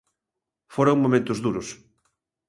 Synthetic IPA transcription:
foɾaŋmõmẽnt̪ʊzðuɾʊs

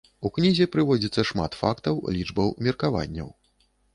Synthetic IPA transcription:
uknʲizʲɛpɾɨvɔd͡zʲit̪sːɐʂma̰t̪fakt̪ɐwlʲid͡ʐbɐwmʲirkava̰nʲːɐ̰w

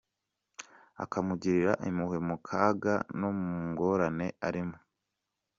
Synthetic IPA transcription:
a̰kamuɟiɾiɾaʔimuhwe̞mukʰaːɡa̰no̞muŋɡo̞ɾane̞aɾimo

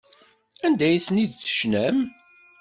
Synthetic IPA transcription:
ænd̪æjθnid̪θə̥ʃnæm

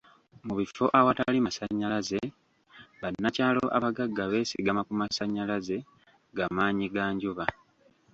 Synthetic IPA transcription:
muβifo̞ʔawatalimasaɲːalaze̞ | βanːacaːlo̞ʔa̰βaɡaɡːaβe̞ːsiɡamakumasaɲːalaze̞ | ŋɡamaːɲiɡaːɲɟuβa

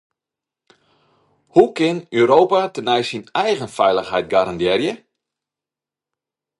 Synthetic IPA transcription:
hukɪnøːɾoːwpatənɛjsinɛjɣənfɛjləxɦɛjt̚ɡaɾandɛrjə

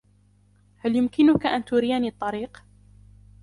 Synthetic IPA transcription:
haljʊmkɪnʊkaʔant̪uːɾɪjaniːt̪ˤːɑɾiːq

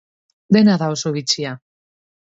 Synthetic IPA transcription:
d̪enaðaosoβit͡sia

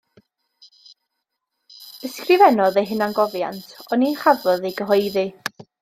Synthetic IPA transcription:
əskrɪvɛnɔðejɦɪnanɡɔvja̰ntʰɔninχavɔðejɡəɦɔjði

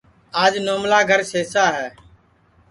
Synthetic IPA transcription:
aːd͡ʒnoːmlaːɡʱəɾseːsaːɦɛː

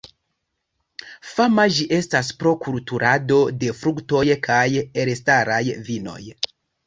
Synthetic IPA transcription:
famad͡ʒiʔe̞stas̬pɾo̞kultuɾʔado̞de̞fɾukto̞jkʰajeɾestaɾajvino̞̰j

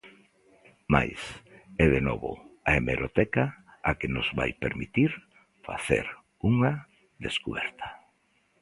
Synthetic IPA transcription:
ma̰jsɛðenɔβʊ̰aemeɾot̪ɛkaakenʊzβa̰jpeɾmit̪iɾ | faθḛɾ | uŋa | ðeskuβɛɾt̪ʰḁ

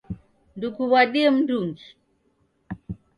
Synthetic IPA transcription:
ndukuβaɗiɛm̩nduŋɡi

